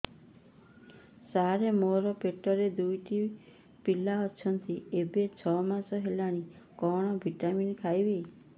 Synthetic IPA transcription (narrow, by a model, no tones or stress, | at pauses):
saɦɾemoɾɔpeʈɔɾed̪ujʈi | pilaɔt͡ʃʰɔnt̪iebet͡ʃʰɔmasɔɦelaɽ̃i | kɔɽ̃ɔbʱiʈaminkʰajbe